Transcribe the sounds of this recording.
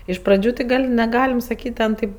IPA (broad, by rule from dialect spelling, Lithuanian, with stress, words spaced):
ɪʃ prɐˈd͡ʒʲuː tʲɪ ˈɡɐlʲ nʲɛˈɡɑːlʲɪm sɐˈkʲiːtʲ tʲɛn tɐɪp